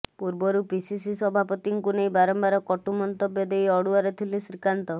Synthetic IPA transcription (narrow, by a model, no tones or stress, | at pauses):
puɾbɔɾupisis̬isɔbʱapɔt̪iŋkunejbaɾɔmbaɾɔkɔʈumɔnt̪ɔbjɔd̪ejɔɽuaɾet̪ʰilisɾikant̪ɔ